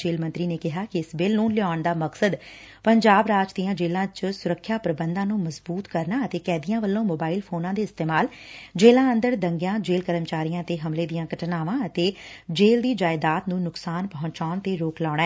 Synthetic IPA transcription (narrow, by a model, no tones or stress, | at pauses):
eːlmə̃nt̪ɾiːneːkɪɦaːkɪɪsbɪlnũːlɪaːɳd̪aːməksəd̪ | pəɲd͡ʒaːbɾaːd͡ʒd̪ijãːd͡ʒeːlãːt͡ʃsʊɾəkʰːjaːpɾəbənd̪ãːnũːməzbuːt̪kəɾnaːət̪eːkɛːd̪ijãːʋəlːõːmoːbaːɪlpʰoːnãːd̪eːɪst̪eːmaːl | d͡ʒeːlãːə̃nd̪əɾd̪əŋɡjãːd͡ʒeːlkəɾəmt͡ʃaːɾijãːt̪eːɦəmleːd̪ijãːɡəʈnaːʋãːət̪eːd͡ʒeːld̪iːd͡ʒaːɪd̪aːt̪nũːnʊksaːnpəɦʊ̃ɲt͡ʃaːɳt̪eːɾoːklaːɽ̃ɛː